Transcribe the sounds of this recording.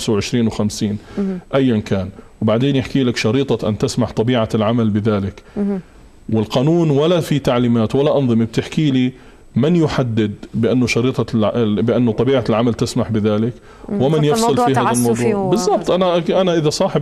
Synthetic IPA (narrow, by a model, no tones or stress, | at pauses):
sawʕɪʃɾiːnwɪxamsiːnʔajːɪnkaːnwbaʕd̪eːnjɪħkiːlakʃɑɾiːt̪ˤɑʔa̰nt̪ɪsmaħt̪ˤɑbiːʕalʕamalbɪðaːlɪk | wɪlqɑːnuːnwalːafit̪aʕliːmaːt̪walːaʔɑnðˤɨmib̚t̪ɪħkiːli | mɪnjʊħad̪ːɪd̪̚bɪʔanːʊʃɑɾiːt̪ˤɑbɪʔanːʊt̪ˤɑbiːʕalʕamalt̪ɪsmaħbɪðaːlɪk | wɪmɪnjɪfsˤɨlfihaːðalmɑwðˤuːʕbɪzˤːɑb̚t̪ˤʔanaʔʔanaʔɪðasˤɑːħɪ